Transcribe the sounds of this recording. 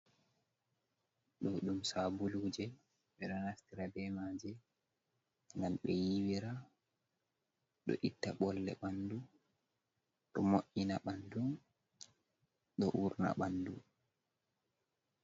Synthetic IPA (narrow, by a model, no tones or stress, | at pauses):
ɗɔɗumsabuluːd͡ʒɛ | ɓɛɗɔnastiɾabɛmaːd͡ʒɛ | ŋɡalɓɛjiwiɾa | ɗɔ̰ʔitːaɓɔlːɛ̰ɓandu | ɗɔmoʔinaɓandum | ɗɔʔuɾna̰ɓandṵ